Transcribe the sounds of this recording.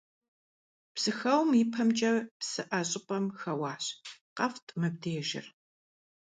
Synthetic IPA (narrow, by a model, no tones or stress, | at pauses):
psɨxɐwmipʰɐmt͡ʃʼɐpsɨʔɐɕʼɪpʼɐmxɐwɑːɕqɐftʰʼmɨb̚dʰeːʒɪ̰r